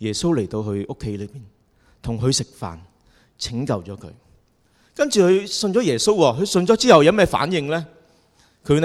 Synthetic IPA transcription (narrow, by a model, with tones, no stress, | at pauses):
jɛː˨˩so˥wle˨˩jt̪o˧wɦɵ˧ɥʔʊ˥kʰːe˨˥jlɵ˨˧ɥpiː˨n | t̪ʰʊ˨˩ŋɦɵ˨˧ɥsɪ˨k̚fa̰ː˨n | t͡sʰɪ˨˥ŋkɐ˧wt͡ʃɔː˨˥kʰɵ̰˨˧ɥ | kɐ˥nt͡ʃyː˨hɵ˨˧ɥsɵ˧nt͡ʃɔ˨˥jɛː˨˩so˥wwɔː˧ɦɵ˨˧ɥsɵ˧nt͡ʃɔː˨˥t͡siː˥hɐ˨wjɐ˨˧mɛː˥fa̰ː˨˥njɪ˧ŋlɛː˥ | kʰɵ˨˧˥